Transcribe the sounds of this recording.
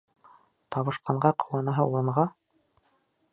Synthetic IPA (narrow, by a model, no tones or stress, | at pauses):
t̪ɑβɤ̆ʃqɑɴɢɑqɤ̆wlˠɑnɑɦɤuɾɤ̆ɴʁɑ